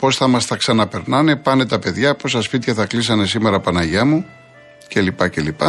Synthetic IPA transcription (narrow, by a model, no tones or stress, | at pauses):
po̞sθɐmɐst̪ɐksɐnɐpe̞ɾnɐne̞pɐne̞t̪ɐpe̞ðʝɐpo̞sɐspit̪çɐθɐklis̬ɐne̞sime̞ɾɐpɐnɐʝɐmu | ce̞lipɐce̞lipɐ